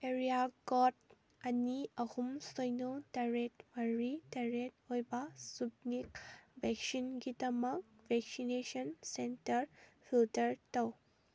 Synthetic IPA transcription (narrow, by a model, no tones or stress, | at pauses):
eɾijakɔt | ɐniɐhumsojnotɐɾetmɐɾitɐɾet̚hojbɐsub̚nik̚bʱɛk̚sinɡidɐmɐk̚ | bʱɛk̚sinesɐnsentɐɾfʰiltɐɾtɐw